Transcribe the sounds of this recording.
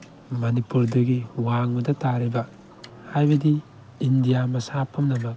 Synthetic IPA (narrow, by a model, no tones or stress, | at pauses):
mɐnipuɾdɐɡiwaŋmɐdɐtaɾibɐ | hajbɐdiː | ndijamɐsapʰːɐmnɐmɐk̚